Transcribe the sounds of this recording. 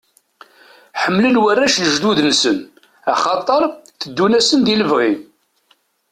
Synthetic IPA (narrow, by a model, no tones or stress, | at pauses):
ħəmːlənwərːæʃləʒd̪uðnsən | ɑ̰χɑt̪ˤːəɾˤθəd̪ːunæsənd̪iləvʁi